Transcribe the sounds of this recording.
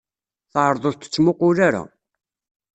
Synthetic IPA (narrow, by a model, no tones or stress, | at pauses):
θʕɾˤðˤʊðt̪ːə̥t͡sːmʊqʊɾaɾa̰